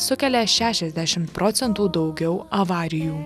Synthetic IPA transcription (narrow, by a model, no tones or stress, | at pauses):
sʊkʲɛlʲɛʃʲæːʃʲɛzʲd̪ʲæʃʲɪmt̪pɾɔt̪sʲɛnt̪uːd̪ɒʊɡʲɛʊɐʋɑːɾʲɪjuː